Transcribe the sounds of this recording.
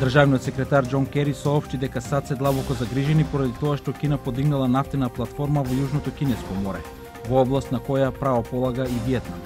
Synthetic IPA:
d̪r̩ʒavniɔt̪sɛkɾɛt̪aɾd͡ʒɔnkɛɾisɔːpʃt̪id̪ɛkasat̪sɛd̪lˠabɔkɔzaɡɾiʒɛnipoɾad̪it̪ɔaʃt̪ɔkinapod̪iɡnalˠanaft̪ɛnaplˠat̪fɔɾmavɔjuʒnɔt̪ɔkinɛskɔmɔɾɛ | vɔɔblˠast̪nakɔjapɾavɔpɔlˠaɡaivjɛt̪nam

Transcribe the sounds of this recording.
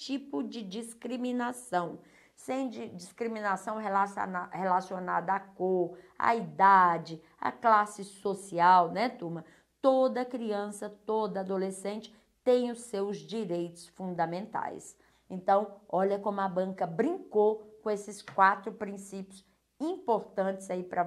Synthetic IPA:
t͡ʃipʊd͡ʒɪd͡ʒiskɾimĩnasɐ̃w̃ | sẽj̃d͡ʒɪd͡ʒiskɾimĩnasɐ̃w̃ɦelashelasionad̪ɐakoɾɐ̰id̪ad͡ʒɪ | ɐ̰klasɪsosiawnɛt̪umɐ | t̪od̪ɐkɾiɐ̃sɐt̪od̪ɐad̪olesẽnt͡ʃɪ̥ | t̪ẽj̃ʊsewzd͡ʒiɾejt̪ʊ̥sfũnd̪ɐmẽnt̪a̰js | ẽnt̪ɐ̃w̃ɔʎɐkõmʊɐbɐ̃kɐbɾĩŋkokõesɪskwat̪ɾʊpɾĩsipjʊs | ĩpoɾt̪ɐ̃nt͡ʃɪzaipɾɐ

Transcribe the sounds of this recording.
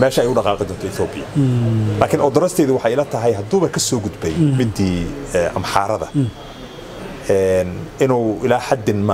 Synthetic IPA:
mɛːʃɐɛjʊɖɑqɑːqɪd̪ɔːnt̪ʰɔɪθɔːbɪjɐlaːkʰɪnʔɔd̪ɔɾɐst̪ʰɛjðʊwɑħɑjɪlɐt̪ʰɐɦɛjɦɐd̪uːβɐkʰɐsɔːɡʊd̪bɛjmɪd̪iːɛʔɐ̰mħɑːɾɐðɐ̰ | ɛnɪnuːʔɪlaːħad̪ɪnmɐ

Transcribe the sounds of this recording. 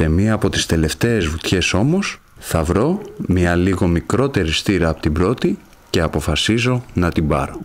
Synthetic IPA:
e̞miɐːpo̞t̪i̥st̪e̞le̞ft̪e̞ːzvut̪çe̞so̞mo̞s | θɐvɾo̞mɲɐliɣo̞mikɾo̞t̪e̞ɾist̪iɾɐːpot̪ibɾo̞t̪i | ce̞ɐpo̞fɐsizo̞nɐt̪ibɐ̰ɾo̞

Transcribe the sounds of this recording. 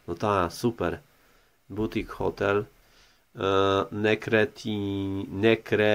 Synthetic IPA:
not̪ʰasʉːpəɾ | but̪ɪkhɔt̪ʰɛl | nɛkɾɛt̪ʰinɛkɾɛ

